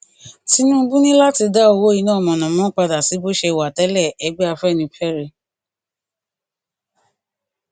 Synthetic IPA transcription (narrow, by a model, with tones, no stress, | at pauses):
ti˨˦nũ˦bũ˦nĩ˦la˦ti˧da˦o˧wo˦i˧nãː˦ɔ˨mɔ̃˨nã˨mɔ̃˦k͡pa˧da˨si˨˦bo˦ʃe˧i˧˨wa˨tɛ˦lɛ˦˨ɛ˨˦ɡ͡bɛ˦a˧fɛ˦˨nĩ˧pʰɛ˦ɾe˧˨